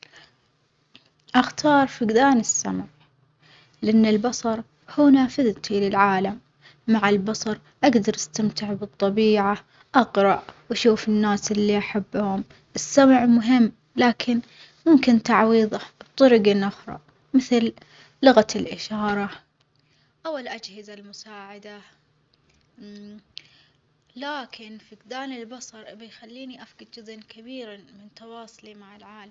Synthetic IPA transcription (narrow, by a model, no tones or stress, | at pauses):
ʔaxt̪ʰɑːɾˤfɪɡd̪aːnɪsːamʕ | lɪʔanːɪlbɑsˤɑɾˤ | hʊnaːfɪðt̪ilɪlʕaːlamː | aʕɪlbɑsˤɑɾˤ | ʔaɡd̪ɑɾˤʔast̪amt̪ɪʕbɨt̪ˤːɑbiːʕa | ʔɑqɾˤɑʔwaʃuːfɪnːaːsʔɪlːiʔaħabːhʊm | ʔɪsːamʕmʊɦɪmː | laːkʰɪn | mʊmkɪnt̪aʕwiːðˤɑbt̪ˤʊɾɪɡɪnʔʊxɾˤɑ̰ | mɪθlː | ʊɣalʔɪʃɑːɾˤɑ | ʔawɪlʔad͡ʒhɪzalmʊsaːʕad̪a | laːkʰɪnfiɡd̪aːnɪlbɑsˤɑɾˤbɪjxalːiːniʔafɡɪd̪̚d͡ʒʊzʔnkʰabiːɾamɪnt̪ɑwɑːsˤʊlimaʕɪlʕaːlam